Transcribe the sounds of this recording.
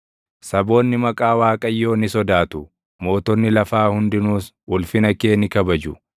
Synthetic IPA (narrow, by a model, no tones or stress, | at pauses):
sɐbo̞ːnːɪmɐkʼaːwaːkʼɐjːo̞ːnɪsɔd̪aːt̪ʊ | mo̞ːt̪ɔnːɪlɐfaːhʊnd̪ɪnuːs | ʔʊlfɪnɐkeːnɪkɐbɐd͡ʒʊ